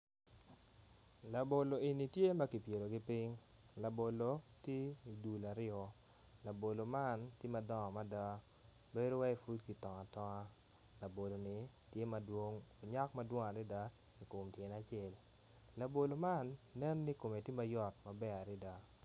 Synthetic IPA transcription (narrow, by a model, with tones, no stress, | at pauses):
la˨bo˨lo˨i˨ni˨tje˦ma˦ki˨pje˨ɾo˨ɡɪ˦pɪ˦ŋ | la˨bo˨lo˨˦te˦i˨du˨la˨ɾɪɔ˦ | la˨bo˨lo˨ma˦˨ntje˦ma˨dɔ˦ŋɔ˨ma˦da˦ | be˦do˦wa˦i˨fu˦dki˨tɔ˨ŋa˨tɔ˦ŋa˦ | la˨bo˨lo˨nɪ˨ | tje˦ma˨dwo˦ŋo˨ɲa˦kma˦dwo˦ŋa˨ɾɪ˦da˦ | i˨kʊ˨mtje˨na˦t͡ʃɛ˦˨lː | a˨bo˨lo˨ma˦˨nːɛ˦nːɪ˦ko˨me˨te˦ma˦jɔ˦tma˨bɛ˦a˨ɾɪ˦da˦